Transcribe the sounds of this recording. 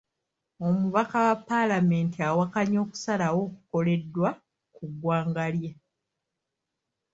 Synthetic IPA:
o̞muβakawapːalame̞ːntiawakaɲo̞ːku̥salawo̞ːkuko̞le̞dːwa | kuɡwaːŋɡalja

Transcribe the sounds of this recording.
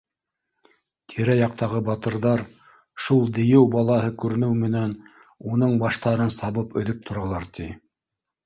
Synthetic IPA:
t̪ʰiɾæjɑq̚t̪ɑʁɤbɑt̪ɤ̆ɾðɑɾ | ʃulˠd̪ɘ̆jɘwbɑlˠɑhɤkʉɾɘ̆nɘwmɘ̆næn | unɤɴbɑʃt̪ɑɾɤnsɑβɤpɵ̰̆ðɵp̚t̪ʰŏɾɑlˠɑɾt̪ʰi

